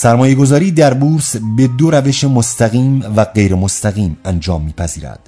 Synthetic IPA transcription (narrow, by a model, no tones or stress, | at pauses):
sæɾmɒːje̞ɡo̞zɒːɾiːd̪æɾbuːɾsbe̞d̪oɾæve̞ʃe̞most̪æɣiːmvæɢejɾemost̪æɣiːmænd͡ʒɒːmːiːpʰæziːɾæ̰d̪̥